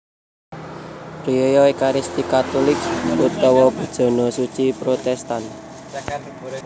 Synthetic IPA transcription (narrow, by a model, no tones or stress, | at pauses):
pɾiɔjɔekaɾist̪ikat̪ulɪkput̪ɔwɔb̥ə̤d̥ʒ̥ɔ̤nɔsut͡ʃipɾot̪ɛst̪an